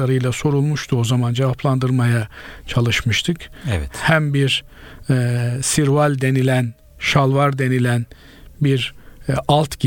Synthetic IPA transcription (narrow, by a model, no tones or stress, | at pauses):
aɾɯjlˠaso̞ɾulˠmuʃt̪ʰuo̞zamand͡ʒevapʰlˠand̪ɯɾmajat͡ʃʰalˠɯʃmɯʃt̪ʰɯkɛvɛt̪hæmbiɾ | siɾvalʲd̪e̞nilʲæn | ʃalˠvaɾd̪e̞nilʲæn | biɾalˠt̪ɟ